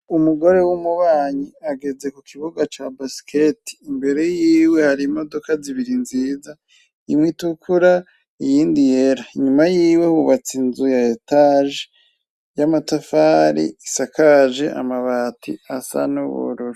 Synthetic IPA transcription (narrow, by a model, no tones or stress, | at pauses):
umuɡo̞ɾe̞wumuβaːɲiaɡe̞ze̞kukʰiβuɡat͡ʃabasi̥kʰeti̥ːmbe̞ɾe̞jiːwe̞haɾimo̞do̞kaziβiɾinziːza | imwitukʰuɾa | ijiːndijeɾaiɲumajiːwe̞huβat͡sinzujaetaʒe | jamatafaːɾḭisakaʒeʔa̰maβatʰḭasa̰nuβo̰ɾoɾo